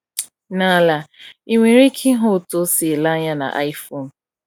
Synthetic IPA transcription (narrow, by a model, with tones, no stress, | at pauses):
na˨la˨i˨ŋʷe˨ɾi˦kʰi˦ɦo˦˨to˦si˨e˨la˦ɲa˦na̰˨ʔa̰˦i˦fo˦˨n̩˨